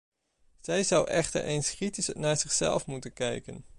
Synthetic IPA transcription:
z̥ɛjzʌwʔɛχtə̰ɹʔejnskritisnaːɹzɪχsɛ̰lˠfmutənkɛ̰jkən

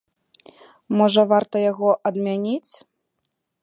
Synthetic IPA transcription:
mɔʐɐvart̪ɐjaɣɔʔɐd̪mʲanʲit͡sʲ

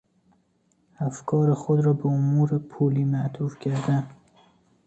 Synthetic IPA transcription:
æfkʰɒːɾexod̪ɾɒːbeomuːɾepʰuːliːmæʔt̪ʰuːfcʰæɾd̪æn

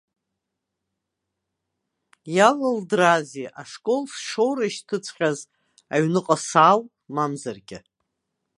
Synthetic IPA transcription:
jalɨldraziʔaʂkʼo̞lsʂowɾaiʃtʰɨt͡sʷʰχʲaz | aɥnɨqʼasaːl | mamzarɡʲɪ̰

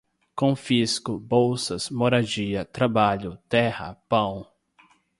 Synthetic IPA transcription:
kõfiskʊbowsɐsmoɾad͡ʒiɐt̪ɾabaʎʊt̪ɛhɐ̰pɐ̃w̃

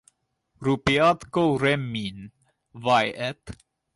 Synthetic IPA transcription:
ɾupiɑt̪kowɾɛmːin | vajɛp

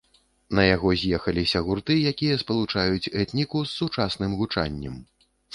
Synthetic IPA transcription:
nɐjaɣɔzʲjɛxɐlʲisʲɐɣurt̪ɨjakʲijɐspɐlˠut͡ʂajut͡sʲɛt̪nʲikusːut͡ʂasnɨmɣut͡ʂa̰nʲːɛ̰m

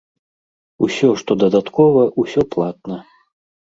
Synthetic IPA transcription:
usʲɔʂt̪ɔd̪ɐd̪at̪kɔvɐʔusʲɔplˠat̪̚nɐ

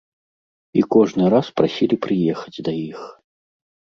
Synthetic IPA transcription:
ikɔʐnɨɾaspɾasʲilʲipɾɨjɛxɐ̥d͡zʲd̪ɐix

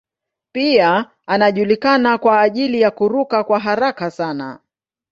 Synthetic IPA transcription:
pia | anaʄulikanakwaːʄilijakuɾukakwaɦaɾakasana̰

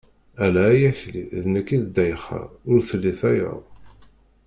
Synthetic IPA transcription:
ælæːjæçlḭðnəkːiðd̪æjχæ̰ʊɾθlːiθæja̰ˤ

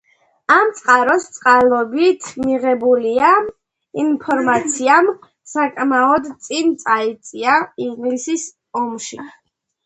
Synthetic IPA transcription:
amt̪sʼqʼaɾɔst̪sʼqʼalˠɔbit̪ʰmiʁɛbulia | inpʰɔɾmat̪sʰiam | sakʼmaɔd̪t̪sʼint̪sʼait̪sʼiaiŋɡlisis | ɔmʃḭ

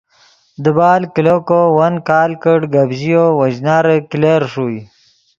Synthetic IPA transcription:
d̪əbaːlkilokowɐnkaːlkəɽɡabʑijowɐʑnaːɾekileɾʂuj

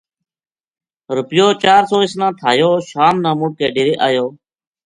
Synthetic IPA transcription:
ɾʊpjoːt͡ʃaːɾsoːɪsnãːt̪ʰaːjoːʃaːmnãːmʊʈ̚k̪eːɖɪːɾeːʔaːjoː

